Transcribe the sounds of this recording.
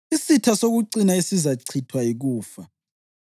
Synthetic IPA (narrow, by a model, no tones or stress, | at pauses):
isitʰasok̬uǀinaesizaǀʰitʰwajik̬uːfa